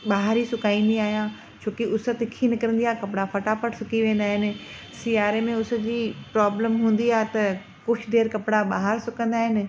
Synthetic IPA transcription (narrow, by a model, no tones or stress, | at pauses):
ɓaːɦɾisʊkaːĩn̆d̪iaːɦijã | t͡ɕʰoːkiʊsət̪ɪkʰinɪkɐɾə̃nd̪ijaːɦekɐpɪɽapʰɐʈapəʈsʊkiʋẽːn̆d̪aːɦɪnɪ̆ | siːaːɾemẽʊsd͡ʑiːpɾaːbləmɦũːn̆d̪iaːɦet̪ɐ | kʊt͡ʃʰɖeːɾkɐpɽaɓaːɦəɾsʊkə̃nd̪aːɦɪnɪ̆